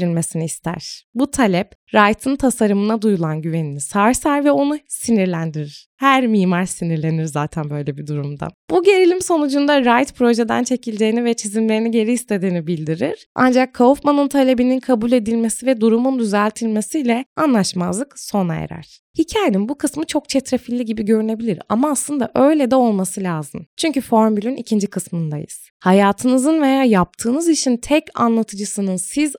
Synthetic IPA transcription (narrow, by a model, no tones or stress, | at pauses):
ilʲme̞siniːst̪ʰæ̰ɾ̥but̪ʰalʲɛpɾajt̪ʰɯnt̪ʰasaɾɯmɯnad̪ujulˠanɟyve̞ninisajsaɾvɛo̞nusiniɾlʲænd̪iɾiɾ̥hæɾmiːmaɾsiniɾlʲe̞niɾzaːt̪ʰænbø̞jlʲebid̪uɾumd̪a̰buɟe̞ɾilʲimso̞nud͡ʒund̪aɾajt̪pʰɾo̞ʒe̞d̪a̰nt͡ʃʰe̞cʰilʲd͡ʒe̞jinivɛt͡ʃʰizimlʲe̞ɾiniɟe̞ɾiist̪ʰe̞d̪iːnibilʲd̪iɾiɾ̥a̰nd͡ʒakʰːaufmanɯnt̪ʰalʲe̞bininkʰabulʲe̞d̪ilʲme̞sivɛd̪uɾumund̪yzælʲt̪ʰilʲme̞sijlʲɛanlˠaʃmazlˠɯkso̞na̰jḛɾæ̰ɾ̥ | hicʰaːjeninbukʰɯsmɯt͡ʃʰo̞k̚t͡ʃʰet̪ɾefilʲːiɟibiɟø̞ɾyne̞bilʲiɾa̰maːslˠɯnd̪aʔø̞jlʲɛd̪ɛo̞lˠmasɯlʲaːzɯmt͡ʃʰyɲcyfo̞ɾmbylʲynicʰind͡ʒikʰɯsmɯnd̪a̰jɯ̰z̥ | hajaːt̪ʰɯnɯzɯnve̞jaːjap̚t̪ʰɯːnɯziʃint̪ʰɛca̰nlˠat̪ʰɯd͡ʒɯsɯnɯnsiz